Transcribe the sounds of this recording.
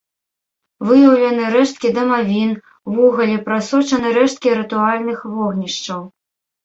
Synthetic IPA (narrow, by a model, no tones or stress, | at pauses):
vɨjɐwlʲɐnɨɾɛʂt̪̚kʲid̪ɐmavʲin | vɔɣɐlʲipɾasɔt͡ʂɐnɨɾɛʂt̪̚kʲiɾɨt̪ualʲnɨxvɔɣnʲiʂt͡ʂɐw